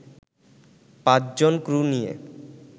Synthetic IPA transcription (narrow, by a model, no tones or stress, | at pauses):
pãt͡ɕd͡ʑonkɾunijḛ